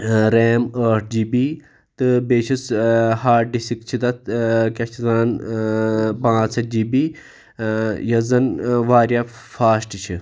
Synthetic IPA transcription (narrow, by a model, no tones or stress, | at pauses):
ɾeːməːʈʰd͡ʒibi | t̪ɨbeːt͡ʃʰishaːɾ̚ɖisikt͡ʃʰit̪ɐt̪̚kʲɐt͡ʃʰizaːn | pãːt͡sʰɐd͡ʒibiː | jɐzɐnʋaːɾjafaːsʈt͡ʃʰi